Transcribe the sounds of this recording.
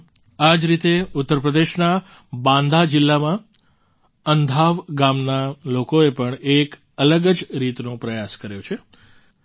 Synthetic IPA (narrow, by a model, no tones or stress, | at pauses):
ad͡ʒɾit̪eut̪ːəɾpɾəd̪eʃna | bãnd̪ʱad͡ʒɪlːamã | ənd̪ʱaʋɡamnalokoepəɳek | ələɡəd͡ʒɾit̪nõpɾəjaskəɾjõt͡ʃʰe